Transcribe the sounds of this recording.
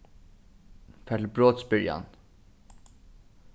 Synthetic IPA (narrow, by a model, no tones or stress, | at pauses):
fɛlbɾoːt̪sbʏɾja̰n